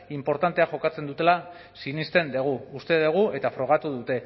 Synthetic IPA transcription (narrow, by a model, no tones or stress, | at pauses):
impo̞ɾt̪ant̪e̞axo̞kat͡se̞nd̪ut̪e̞la | sinist̪e̞nd̪e̞ɣ̞uːst̪e̞ðe̞ɣ̞ue̞t̪afɾo̞ɣ̞at̪uðut̪e̞